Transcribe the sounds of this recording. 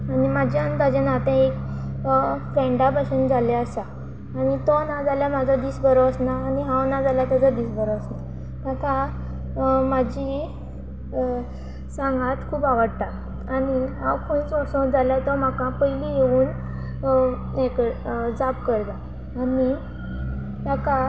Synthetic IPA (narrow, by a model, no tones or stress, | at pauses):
animad͡ʑjant̪ad͡ʑãnat̪ɛ̃ek | fɾɛ̃ɳɖabəsənd͡zaleəsaː | ñit̪ɔnad͡zaljamad͡zʱad̪iːsbəɾɔəsnaːniɦãwnad͡zaljat̪ad͡zad̪iːsbəɾɔəsna | t̪ak̪a | mad͡ʑi | sãŋɡat̪kʰuːbaʋəɽt̪aː | niɦãwkʰont͡sɔsɔ̃d͡zaljat̪ɔm̤akãpəjlijeuːn | ekəd͡zapkəɽt̪aː | ni | t̪aka